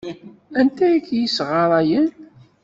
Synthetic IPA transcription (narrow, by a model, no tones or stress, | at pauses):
ænt̪æjikːjisʁɑɾˤɑjən